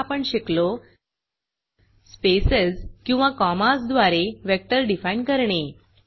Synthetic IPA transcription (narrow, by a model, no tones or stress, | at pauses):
apəɳɕeklo | spesəzkĩw̃ʋãkɔmasd̪ʋaɾeʋjɛk̚ʈəɾɖifaiɳkəɾɳe